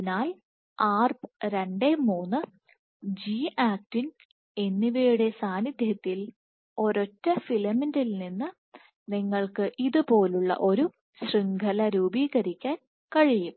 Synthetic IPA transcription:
naːl | aːrpɾe̞ɳɖe̞muːnːɨ | d͡ʑiːaːk̚tin | e̞nːiʋejuɽe̞saːnid̪ʱjɐt̪ːil | o̞ɾo̞tːɐfilɐmindilninːɨ | niŋːɐɭkɨʔiðupo̞ːluɭːɐ̰ʔo̞ɾu | sriŋɡʱɐlɐɾuːbiːɣɐɾikʲːaːn | kɐɻijum

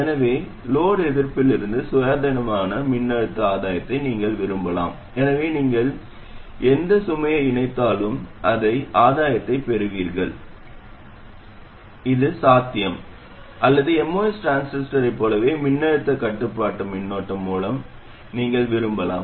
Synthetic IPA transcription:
ɛnɐʋeː | loːɽɛðɪɾpɪlɪɾɯnd̪ɯsʊjaːd̪ɐnɐmaːnɐmɪnːɐɻɯt̪ːɐaːðaːjɐt̪ːɐɪniːŋɡɐɭʋɪɾɯmbɐla̰ːm | ɛnɐʋeːniːŋɡɐɭ | ɛnd̪ɐsʊmɐjɐɪnɐɪt̪ːaːlɯmʔɐðɐɪʔaːðaːjɐt̪ːɐɪpɛɾɯʋiːɾɣɐɭ | ɪðɯsaːt̪ːɪjɐm | ʔɐlːɐðɯɛmːoːɪsʈɾaːnsnɪsʈɐɾɐɪpːoːlɐʋeːmɪnːɐɻɯt̪ːɐkɐʈːɯpːaːʈːɯmɪnːoːʈːɐmːuːlɐm | niːŋɡɐɭʋɪɾɯmbɐla̰ːm

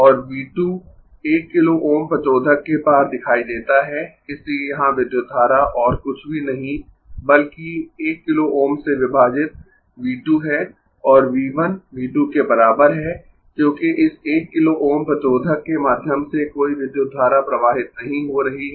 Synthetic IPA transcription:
ɔːɾʋiːʈju | eːkːɪloʔoːmpɐt͡ʃoːd̪ʱəkːepaːsd̪ɪkʰaːid̪eːt̪aɦɛ | ɪsijɐɦãʋɪd̪jod̪ʱːaːɾaʔɔːɾkʊt͡ʃʰbʱinɐɦĩ | bɐlkieːkːɪloʔoːmseʋɪbʱaːd͡ʒɪt̪̚ | ʋiːʈjuɦɛː | ɔːɾʋiːʋənʋiːʈukebɐɾaːbəɾɦɛː | kjõːkiʔɪseːkːɪloʔoːmpɐt͡ʃoːd̪ʱəkːemaːd̪ʱjəmsekoːiʋɪd̪jod̪ʱːaːɾapɾɐʋaːɦɪt̪nɐɦĩɦoɾɐɦiɦɛ

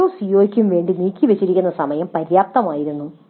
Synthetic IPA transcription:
uːsijoːikʲːumʋe̞ːɳɖiniːkʲːiʋet͡ɕːiɾikʲːunːɐsɐmɐjɐmpɐɾjaːp̚t̪ɐmaːjiɾunːu

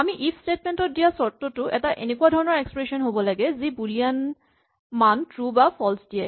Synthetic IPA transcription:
amiʔipʰstetmentɔt̚dijasɔɹtːotʊʔɛtaʔenekuadʱɔɹɔnɔɹekspɹesɔnɦobɔlaɡɛzibulijan | mantɹubapʰɔlsdia

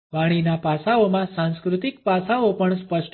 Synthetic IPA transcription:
ʋaɽ̃inapasaomãsãnskɾut̪ik̚pasaopəɳspəʃʈ

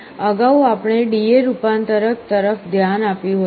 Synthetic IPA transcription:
əɡauapɳ̃eɖieɾupant̪əɾək̚t̪əɾəfʰd̪ʱjanapjũɦ

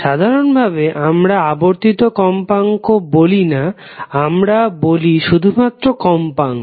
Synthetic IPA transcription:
ʃad̪ʱaɾonbʱabeʔamɾaaboɾt̪it̪okɔmpaŋkobolina | amɾaboliʃud̪ʱumat̪ːɾokɔmpaŋ

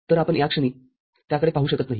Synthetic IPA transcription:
t̪əɾapəɳjakʂəɳ̃iː | t̪jakəɽepaɦuːɕəkət̪naɦi

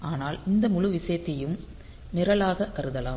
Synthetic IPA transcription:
aːnaːlɪnd̪ɐmʊɻɯʋɪsɐjɐt̪ːɪjɯm | nɪɾɐlaːɣɐkːɐɾɯðɐlaː

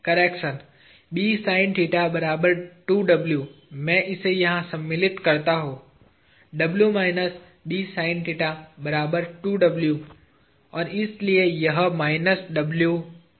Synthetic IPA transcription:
kɐɾeːkʃən | ɓiːsaːɪnʈiːʈabɐɾaːbəɾʈuːɖɐbljuːmɛ̃ʔɪsejɐɦãsɐmːɪlɪʈkɐɾt̪aɦoː | ɖɐbljumaːɪnəs | ɓiːsaːɪnʈiːʈabɐɾaːbəɾʈuːɖɐbljuː | ɔːɾɪsliejɐɦmaːɪnəsɖɐbljuː

